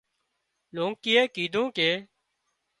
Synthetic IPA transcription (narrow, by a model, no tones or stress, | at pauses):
lõːŋkɪːeːkiːd̪ʱũːkeː